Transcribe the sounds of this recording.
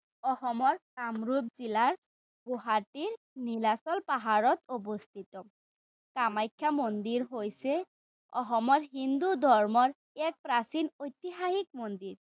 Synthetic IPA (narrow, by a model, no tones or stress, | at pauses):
ɔxɔmɔɹkamɹubzilaɹ | ɡuɦatiɹ | nilasɔlpaɦaɹɔt̪obost̪ʰit̪ɔ | kamajkʰːamond̪iɹɦojsɛ | ɔxɔmɔɹɦind̪ud̪ʱɔɹmɔɹ | ɛk̚pɹasinojt̪iɦahik̚mond̪iɹ